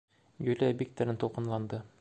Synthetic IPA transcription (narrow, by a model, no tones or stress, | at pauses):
jɵ̆lɘæbʲik̚t̪ɘ̆ɾɘnt̪ulˠqɤ̆nlˠɑnd̪ɤ